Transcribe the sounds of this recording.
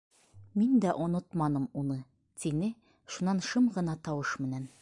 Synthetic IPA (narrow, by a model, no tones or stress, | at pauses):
mind̪æʔŏnɤt̪mɑnɤmunɤ | t̪inɘ | ʃunːɑnʃɤmʁɤ̆nɑt̪ɒwɤʃmɘ̆næn